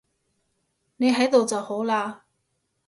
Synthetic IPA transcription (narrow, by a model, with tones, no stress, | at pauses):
ne˨˧jɦɐ˨˥jt̪o˨wt͡sɐ˨who˨˥wlaː˧